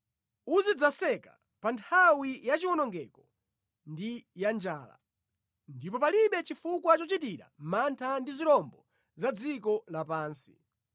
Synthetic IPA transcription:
uzid͡zasɛka | pantʰawijat͡ʃiwɔnɔŋɡɛkɔ | ndijand͡ʒaːla̰ | ndipɔpaliɓɛt͡ʃifukwat͡ʃɔt͡ʃitiɾa̰mantʰandiziɾɔmbɔ | zad͡zikɔlapaːnsi̥

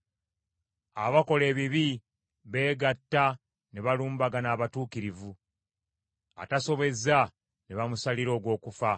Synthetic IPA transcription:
a̰βako̞le̞ːβiβi | βe̞ːɡatːa | neβaluːmbaɡanaːβatuːkiɾivu | a̰taso̞βe̞za | neβamusaliɾo̞ːɡwo̞ːkufa

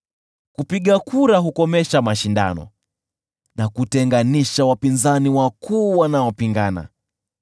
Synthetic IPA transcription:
kupiɠakuɾaɦukɔmɛʃamaʃinda̰nɔ̰ | nakutɛŋɡaniʃawapinzaniwakʰuːwanaɔpiŋɡana̰

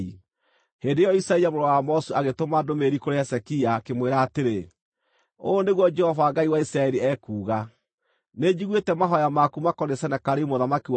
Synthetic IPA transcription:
i | hendejɔisɾaiamoɾɔwamɔsuaɣetomadomeɾikoɾeɛsɛkiakemweɾaːteɾe | oːneɣwɔd͡ʒɛhɔvaːɡaiwaisɾaɛɾiɛːkuːɣa | ned͡ʑiɣwetɛmaɦɔjamakumakɔɾesɛnakaɾemoðamakiw

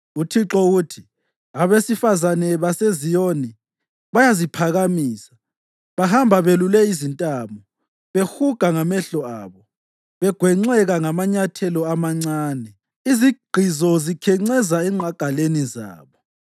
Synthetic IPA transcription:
utʰiǁɔɣutʰi | aβesifazanɛβasezijoni | βajazipʰaɣamiːsḁ | βaɦambʱaβelulɛizintʼaːmɔ | βexuɡ̥ʱaŋamɛɬɔaːβɔ | βɛɡ̥ʱwɛŋ͡ǀɛɣaŋamaɲatʰɛlɔamaŋ͡ǀaːnɛ | iziɡ͡ǃ̥ʱizɔzikʰɛŋ͡ǀɛzaɛŋ͡ǀʱaɡ̥ʱaleniza̰ːβɔ

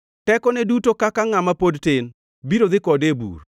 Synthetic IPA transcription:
tɛkɔnɛdutokakaŋamapodtɪn | biɾod̪ɪkɔdebṵɾ

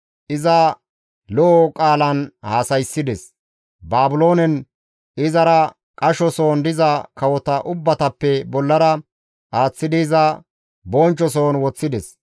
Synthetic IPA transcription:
ʔɪzɐ | lɔʔːkʼaːlɐnhaːsɐjsːɪd̪ɛs | baːbʊlo̞ːnɛn | ɪzɐɾɐ | kʼɐʃɔso̞ːnd̪ɪzɐkɐwɔt̪ɐʔʊbːɐt̪ɐpːɛbɔlːɐɾɐ | ʔaːt͡sːɪd̪ɪːzɐ | boːnt͡ʃːɔso̞ːnwɔt͡sːɪd̪ɛs

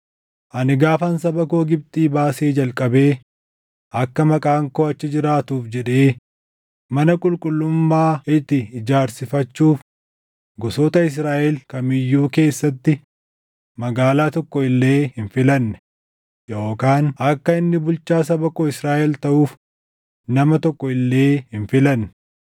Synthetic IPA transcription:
ʔɐnɪɡaːfɐnsɐbɐko̞ːɡɪb̚t̪ʼiːbaːseːd͡ʒɐlkʼɐbeː | ɐkːɐmɐkʼaːŋkoːɐt͡ʃːɪd͡ʒɪɾaːt̪uːfd͡ʒɛᶑeː | mɐnɐkʼʊlkʼʊlːʊmːaːɪt̪ːɪɪd͡ʒaːɾsɪfɐt͡ʃːuːf | ɡɔsoːt̪ɐɪs̬ɾaːʔɛlkɐmɪjːuːke̞ːsːɐt̪ːɪ | mɐɡaːlaːt̪ɔkːɔɪlːe̞ːhɪnfɪlɐnːɛ̥ | jo̞ːkaːnɐkːɐɪnːɪbʊlt͡ʃaːsɐbɐkoːɪsɾaːʔɛlt̪ɐʔuːf | nɐmɐt̪ɔkːɔɪlːe̞ːhɪnfɪlɐnːɛ̥

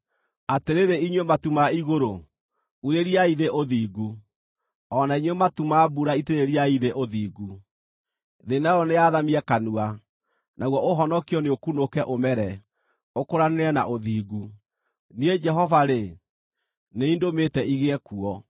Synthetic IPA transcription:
ateɾeɾeiɲwɛmatumaiɣoɾo | uɾeɾiaiðeʔoðiːɣu | ɔnaiɲwɛmatumabuɾaiteɾeɾiaiðeʔoðiːɡu | ðenaɔneaðamiɛkanua | naɣwɔʔoɦɔnɔkiɔneokunokɛʔomɛɾɛ | okoɾaneɾɛna̰ʔoðiːɣu | nied͡ʒɛɦɔvaɾe | neindometɛiɣeɛkuɔ

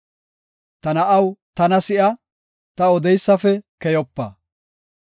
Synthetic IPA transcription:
t̪ɐnɐʔɐwt̪ɐnɐsɪʔɐ | t̪ɐɔd̪ɛjsːɐfɛkɛjɔpːɐ̰

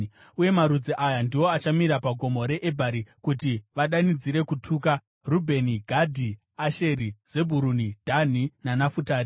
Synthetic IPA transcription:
uje̞maɾud͡ziʔajandiwo̞at͡ʃamiɾapaɡʱo̞moɾe̞ʔːbʱaɾikutiʋaɗanid͡ziɾe̞kutʰuːka | rubʱe̞niɡʱadʱi | aʃe̞ɾiz̥e̞bʱuɾunid̥ʱan̤inanafutaːɾi

